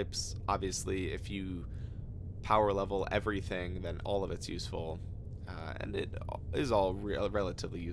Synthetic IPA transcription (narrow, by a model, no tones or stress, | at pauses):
ɪps | ʔɑ̰bviɨsliɪ̰fjɨ | pʰaʊə˞lɛvl̩ˠɛ̰vɹiθɪ̃ŋðɨ̃nɔ̰lˠʌvɨtsjʉsfl̩ˠ | ɨ̰̃nɪɾɪzɔlˠɹɹɛlˠəɾɨvlijʉ